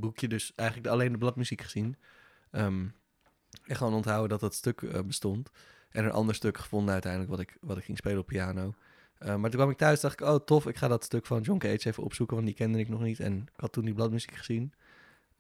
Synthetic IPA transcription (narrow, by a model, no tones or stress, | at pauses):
bukjədɵsʔɛjχələk̚alejndəblɑtmyzikχəz̥in | əm | ɛχəʋoːnɔntɦawədɑt̚ɑtstøkə̰bəstɔnt | ʔɛnənʔɑ̰ndəɹstøkχə̥fɔndənœɥtɛjndələkʋɑtɪkʋɑtɪkχɪŋspejləɔpːiaːnow | əmaːɹtukʋɑmɪk̚tœɥsdɑχtɪkowtɔfɪkχaːdɑtstøkfɑnjɔŋkəejtsejvəʔɔ̰psukəʋɑntdikɛndənɪknɔχnitɛ̰nɪkɦɑtːundiblɑtmyzikχə̥z̥in